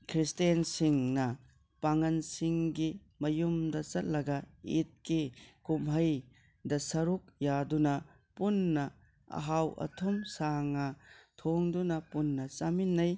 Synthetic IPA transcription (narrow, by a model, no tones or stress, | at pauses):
kʰɾistensiŋnɐ | paŋɐnsiŋɡi | mɐjumdɐt͡ʃɐt̚lɐɡɐit̚kikumɦɐj | dɐsɐɾuk̚jadunɐ | punːɐ | ɐ̰ɦawʔɐ̰tʰumsaŋːɐtʰoŋdunɐpunːɐt͡ʃaminːɐj